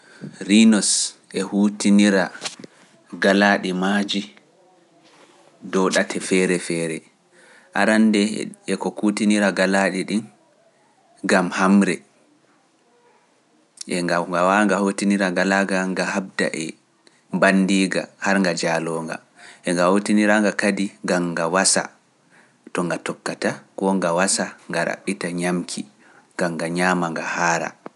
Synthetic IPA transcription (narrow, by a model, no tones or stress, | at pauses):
ɾinɔsʔɛhutiniɾa | ɡalaːɗimad͡ʒi | dɔɗatʰɛfɛɾɛfɛːɾɛ | ʔaɾandɛɛkɔkutiniɾaɡalaɗiɗin | ɡamhamɾɛ | ʔɛŋɡaŋɡawaŋɡahotiniɾaɡalaɡaŋɡahab̚da̰ʔɛ | mbandiːɡa̰haɾŋɡad͡ʒalɔːŋɡa̰ | ʔɛŋɡahotiniɾaŋɡakadiɡaŋɡawasa̰ | tɔŋɡatɔkːatakɔŋɡawasaŋɡaɾa̰ɓːitaɲamkʰi | ɡ̥aŋɡaɲaːmaŋɡahaːɾa̰